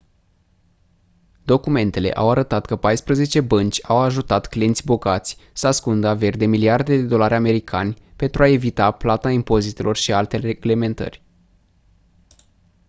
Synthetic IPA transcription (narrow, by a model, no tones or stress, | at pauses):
d̪o̞kume̞nt̪e̞le̞̰ʔawaɾət̪at̪kəpajspɾəze̞t͡ʃe̞bənt͡ʃʲawaʒut̪at̪klijent̪sʲbo̞ɡat̪sʲsəaskund̪əave̞rʲd̪e̞miliard̪e̞d̪e̞d̪o̞laɾʲame̞ɾikʰanʲpe̞nt̪ɾuae̞vit̪aplat̪aimpo̞zit̪e̞lʔo̞rʃialt̪e̞ɾeɡle̞me̞nt̪ə̰rʲ